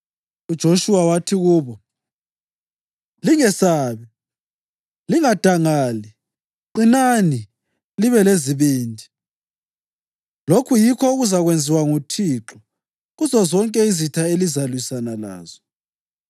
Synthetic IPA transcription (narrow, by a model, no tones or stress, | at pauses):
ud̥ʒ̥ʱoʃuwawatʰiɣuːβɔ | liŋɛsaːβi | liŋad̥ʱaŋaːli | ǃinani | liβɛleziβiːndʱi | lokʰujikʰɔuɣuzaɣwend͡zʱiwaŋutʰiːǁɔ | ɣuzɔzɔŋkʼɛizitʰaelizalwisanala̰ːz̥ɔ